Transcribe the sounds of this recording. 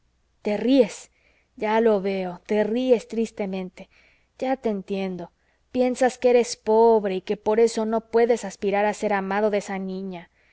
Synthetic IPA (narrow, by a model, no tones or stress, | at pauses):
t̪e̞rie̞s | ʝalo̞βeo̞t̪e̞rie̞st̪ɾist̪e̞mẽ̞nt̪e̞ | ɟ͡ʝat̪e̞ːnt̪je̞nd̪o̞ | pje̞nsaskeeɾe̞spo̞βɾe̞ike̞po̞ɾe̞so̞no̞pwe̞ðe̞saspiɾaɾase̞ɾamaðo̞ðesanĩɲa